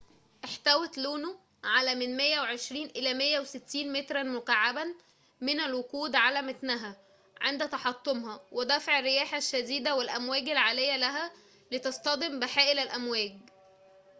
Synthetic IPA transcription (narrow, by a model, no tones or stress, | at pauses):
ʔeħt̪æwet̪luːno | ʕalæmɪnmejːæweʕeʃɾiːnʔelæmejːæweset̪ːiːnmet̪ɾˤænmoqaʕːabæn | menælwokuːd̪ʕalæmæt̪næɦæ | ʕend̪æt̪ɑħɑt̪ˤːomhɑwʔed̪æfʕerːɪjæːħaʃːæd̪iːd̪æwelʔæmwæːɡælʕalejːælæɦæ | lit̪ɑst̪ˤɑd̪embeħæːʔɪlælʔæmwæːɡ̚